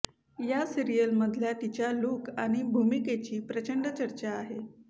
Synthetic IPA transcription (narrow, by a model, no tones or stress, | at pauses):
jasiɾijəlməd̪ʱljat̪it͡ɕjalukaɽ̃ibʱumiket͡ɕiːpɾət͡ɕəɳɖət͡ɕəɾt͡ɕaːɦe